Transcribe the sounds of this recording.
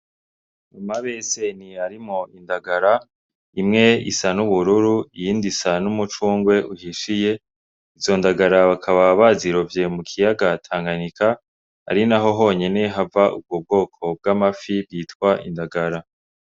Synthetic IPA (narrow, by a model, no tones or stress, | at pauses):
umaβese̞niaɾimŋo̞indaɡaɾa | imŋe̞ḭsanuβuɾuɾuijiːndisanumut͡ʃuːŋɡwe̞ʔuhiʃije̞ | izo̞ndaɡaɾaβakʰaβaβaziɾo̞vje̞mukʰijaɡatʰaːŋɡaɲikʰa̰ː | ɾinaɦo̞ɦo̞ɲe̞ne̞ɦavaʔṵb̚ɡob̚ɡo̞ːkʰo̞b̚ɡamafibɡiːtkwaʔḭndaɡaɾa